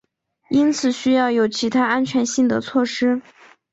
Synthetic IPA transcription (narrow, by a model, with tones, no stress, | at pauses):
i˥nt͡sʰɹ̩˨˩ɕy˥jɑ˥˩ʊjo˨˩˥ʊt͡ɕʰi˧˥t̪ʰa˥a˥nt͡ɕʰɥɛ˧˥nɕi˥˩ŋd̪ə˩t͡sʰwɔ˥˩ʂɻ̩˥